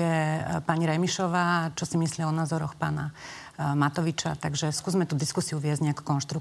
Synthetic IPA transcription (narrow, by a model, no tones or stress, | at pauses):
ɛpaɲiɾɛmiʃɔʋaːt͡ʃɔsimislɪiaɔnaːzɔɾɔxpa̰ːna | mat̪ɔʋit͡ʃa̰t̪aɡʒɛskuːzmɛt̪uːd̪iskusiuʋɪɛzɟɲɛaku̥kɔnʃt̪ɾu